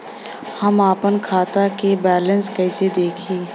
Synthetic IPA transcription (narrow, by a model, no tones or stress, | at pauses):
hɐmaːpənkʰaːt̪akebɛːlə̃nskɛɪsed̪eːkʰẽː